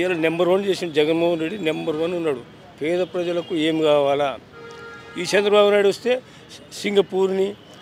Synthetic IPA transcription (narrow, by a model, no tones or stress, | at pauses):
ɐlanembɐɾʋɐnt͡ʃe̞ːsind͡ʒɛɡɐnmoːɦɐnɾe̞ɖːinembɐɾʋɐnunːaːɽu | pɛːd̪ɐpɾɐd͡ʒɐlɐkue̞ːmiɡaːʋaːlaː | iːt͡ʃɐnd̪ɾɐbaːbunaːjɽuʋɐst̪e̞ː | siŋɡɐpuːɾni